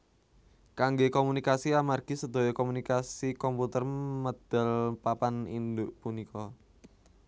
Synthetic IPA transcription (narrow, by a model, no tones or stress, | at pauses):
kaŋɡekomunikasiamarɡ̥i̤səd̪̥o̤jɔkɔmunikasikɔmput̪ərməd̪̥ə̤lpapanḭnd̪uʔpunikɔ